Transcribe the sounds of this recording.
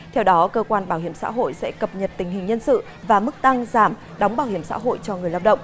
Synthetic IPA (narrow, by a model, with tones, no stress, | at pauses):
t̪ʰɛ˧wɗɔ˨˦kəː˧kwaː˧nɓaː˧˩whi˧˩əmsa̰ː˧˥ɦo̰˧˨jsɛ̰˧˥kə˨˩p̚ɲə˨˩t̚t̪ï˨˩ŋ̟ɦï˨˩ŋ̟ɲə˧nsɨ̰˧˨ | vaː˨˩mɨ˦˥k̚t̪a˧ŋzaː˧˩m | ɗɔ˨˦wŋ͡mɓaː˧˩whi˧˩əmsa̰ː˧˥ɦo̰˧˨jt͡ɕɔ˧ŋɨ˨˩əjlaː˧wɗə̰˧˨wŋ͡m